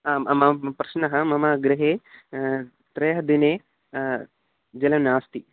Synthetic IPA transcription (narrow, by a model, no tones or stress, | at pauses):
aːʔɐmɐɐpɾɐʃnɐɦɐmɐmaːɡɾɐɦeː | t̪ɾɐjɦɐd̪ineː | d͡ʒɐlɐmnaːst̪i